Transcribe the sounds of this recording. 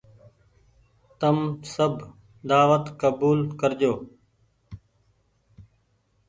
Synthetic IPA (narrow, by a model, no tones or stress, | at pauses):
t̪əmsəbʱ | d̪aːʋət̪kəbuːlkəɾd͡ʒoː